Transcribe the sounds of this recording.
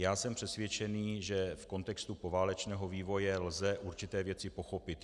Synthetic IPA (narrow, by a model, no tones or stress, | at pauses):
jaːsɛmpr̝̥ɛsvjɛt͡ʃɛniːʒɛfko̞nt̪ɛkst̪upovaːlɛt͡ʃnɛːɦo̞viːvo̞jɛlzɛʔuɾt͡ʃɪt̪ɛːvjɛt͡sɪpo̞xo̞pɪt̪